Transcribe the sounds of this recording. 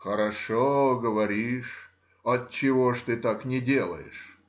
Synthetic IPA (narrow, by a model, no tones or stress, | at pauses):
xəɾɐʂoɡəvɐɾʲiʂ | ɐtt͡ɕːɪvoʂt̪ɨt̪aknʲɪdʲelˠə̰jɪ̰ʂ